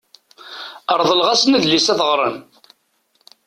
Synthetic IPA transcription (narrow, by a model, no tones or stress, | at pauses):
əɾˤðˤəlʁasnæðlisæθʁɾˤə̰n